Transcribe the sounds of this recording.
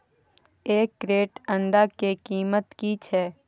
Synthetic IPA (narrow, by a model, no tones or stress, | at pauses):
eːkːɾeːʈə̃ɳɖakekiːmət̪kit͡ʃʰɛː